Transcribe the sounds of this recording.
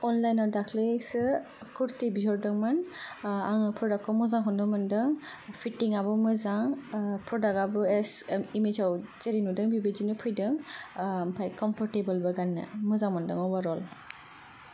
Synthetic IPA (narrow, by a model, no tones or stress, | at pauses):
ɔnlajnawdakʰlesɯ | kuɾtibizɔɾdɯŋmanaŋɯpʰɾɔdakʰːɔmɯzaŋkʰɔndɔmɯndɯŋ | pʰitiŋaβɔmɯzaŋpʰɾɔdakabɯɛsimed͡ʒawzeɾinudɯŋbibed͡ʒinɯpʰɯjdɯŋmpʰajkɔmpʰɔɾtebɯlbɯɡanːɯ̰mɯzaŋmandɯŋɔbaɾɔl